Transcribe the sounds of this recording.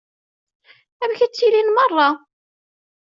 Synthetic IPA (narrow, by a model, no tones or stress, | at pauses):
ævçæt͡sːilinmɑrˤːɑ